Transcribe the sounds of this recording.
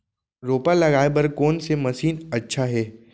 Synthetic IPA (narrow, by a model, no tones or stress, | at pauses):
ɾoːpalɐɡaːebɐɾkoːnsemɐsiːnɐtːʃʰaɦɛː